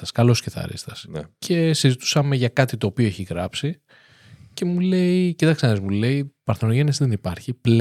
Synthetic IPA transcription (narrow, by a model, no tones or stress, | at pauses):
ɐskɐlo̞sce̞θɐ̰ɾḭst̪ɐsnecʰe̞sizit̪u̥sɐme̞ʝɐkɐt̪it̪o̞ːpio̞eçiɣɾɐpsi | ce̞mule̞icit̪ɐksɐnezmule̞ipɐɾθonoʝe̞nezðenipɐɾçipl